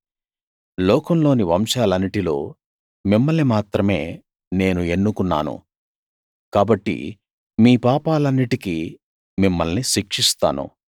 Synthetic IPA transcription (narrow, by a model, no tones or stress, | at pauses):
lɔːkɐmlo̞ːniʋɐmʃaːlɐnːiʈilo̞̰ː | mimːɐlnimaːt̪ɾɐme̞ː | ne̞ːnue̞nːukunːa̰ːnṵ | kaːbɐʈːḭ | miːpaːpaːlɐnːiʈiki | mimːɐlniʃikʂist̪a̰ːnṵ